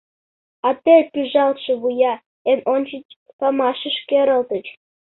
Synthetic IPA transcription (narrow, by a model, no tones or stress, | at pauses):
ɑt̪epyʒɑlt̪ʃĕβujɑ | enonʲt͡ɕət͡ɕ | pɑmɑʃə̆ʃkeɾəlt̪ət͡ɕ